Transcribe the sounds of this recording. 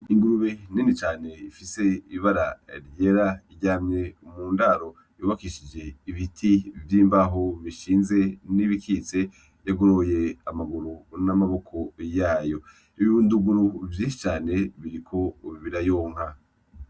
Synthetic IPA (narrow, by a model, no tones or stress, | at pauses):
iŋɡuɾuβeninit͡ʃaːne̞ifise̞iβaɾaɾje̞ːɾaiɟaːmɲe̞muːndaɾo̞ | juːβakiʃid͡ʒe̞iβitʰivjiːmbaɦoβiʃiːnze̞niβikʰit͡se̞ | jaɡoɾoje̞amaɡuɾunamaβo̞kʰo̞jaːjo̞ | iβiβunduɡuɾuvjiːnʃi̥t͡ʃaːne̞βiɾikʰo̞βiɾajoːŋ̥ɦa